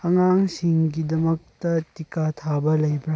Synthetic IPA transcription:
ɐŋaŋsiŋɡidɐmɐk̚tɐtikatʰabɐlɐjbɾa

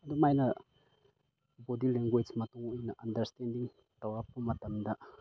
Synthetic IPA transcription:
ɐd̪umajnɐ | bodileŋɡojsmɐtuŋinɐʔɐndɐɾstendiŋ | t̪ɐwapumːɐt̪ɐmd̪ɐ

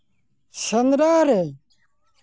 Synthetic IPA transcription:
sɐnɾaːɾe

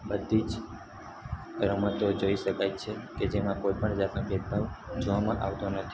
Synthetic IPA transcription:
bəd̪ʱːid͡ʒ | ɾəmət̪od͡ʒoiʃəkajt͡ʃʰeked͡ʒemãkojpəɳd͡ʒat̪nobet̪̚bʱaʋd͡ʒoʋamã̰ʔaʋt̪onət̪ʰi̥

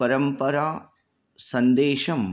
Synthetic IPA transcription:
pɐɾɐmpɐɾaː | sɐnd̪eːʃɐm

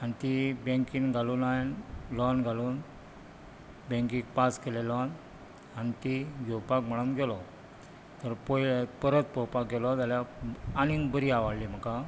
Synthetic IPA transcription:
anit̪ibẽŋkiŋɡʱaluːnajnlɔnɡʱaluːn | bẽŋkĩkpaskelelɔn | anit̪iɡowpakm̤əɽənɡelɔ | t̪əɾpɔpəɾət̪̚pɔwpak̚ɡelɔt̪aljaanibəɾiaʋaɽliːm̤əka

